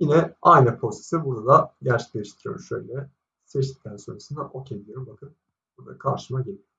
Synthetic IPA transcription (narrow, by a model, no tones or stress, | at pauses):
jinɛajnɯpʰo̞se̥sibuɾd̪ad̪aɟæɾt͡ʃʰɛ̥klʲeiʃt̪ʰiɾijo̞̰ɾumʃø̞̰jlʲɛ | sɛʃsi̥ct̪ʰːænso̞nɾasɯnd̪aʔo̞cʰed̪ʲijoɾumbakʰɯn | buɾd̪a̰kʰaɾʃɯmaɟelʲi